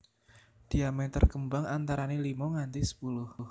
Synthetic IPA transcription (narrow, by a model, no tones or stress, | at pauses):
d̪̥iamɛt̪ərkəmbaŋant̪aɾanelimɔŋant̪isə̥pulʊhh